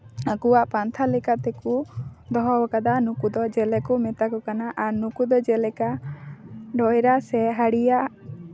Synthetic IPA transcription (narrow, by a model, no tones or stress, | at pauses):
akuwaʔpant̪ʰalɛkat̪ɛkud̪ɔɦɔwɔkad̪anukud̪ɔd͡ʒɛlɛkumɛt̪akɔkanaʔaɾnukud̪ɔd͡ʒɛlɛka | ɖɔjɾasɛɦaɽijaʔ